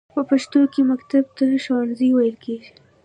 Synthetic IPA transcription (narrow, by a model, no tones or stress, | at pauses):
pəpaʃt̪okemakt̪ab̚t̪əʃawnziwajəlkeɡi